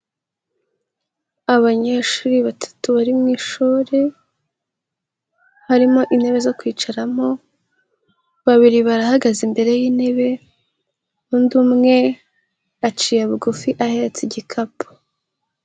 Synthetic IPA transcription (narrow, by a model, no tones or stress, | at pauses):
aβaɲeʃuːɾiβatʰḁtuβaɾimŋiːʃuːɾe | haɾimoʔine̞βe̞zo̞kwiːt͡ʃaɾamo̞ | βaβiɾiβaɾahaɡazimbe̞ɾe̞jiːne̞βe̞ | undumŋe̞ | at͡ʃiːjaβuɡufiʔahe̞ɾet͡seɟikʰapo̥